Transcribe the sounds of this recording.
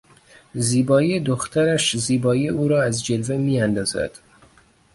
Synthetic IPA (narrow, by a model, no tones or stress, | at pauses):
ziːbɒːiːed̪oxt̪ʰæɾæʃziːbɒːiuːɾɒːæzd͡ʒe̞lvemiːænd̪ɒːzæ̰d̪̥